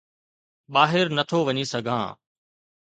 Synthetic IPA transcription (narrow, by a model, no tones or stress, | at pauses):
ɓaːɦɪɾnɐt̪ʰoʋɐɲisɐɡʱã̰ː